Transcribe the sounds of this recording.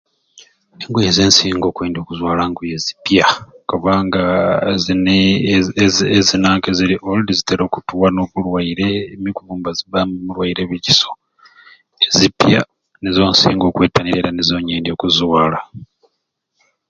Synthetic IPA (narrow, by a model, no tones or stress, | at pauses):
neŋɡojezeːnsiːŋɡo̞ːkweːndio̞kuzwaːlaːŋɡujezi̥pjakoβaːŋɡain | ezinaːŋkeziɾiʔoldiziteɾo̞ːkutuwano̞ːkulwaiɾe̞ːmikuβuːmbaziβammulwaiɾe̞βiciso̞ | ezipja̰ | nezo̞ːnsḭːŋɡo̞ːkweːtaniɾeɾanezo̞ːɲeːndio̞ːkuzwaːla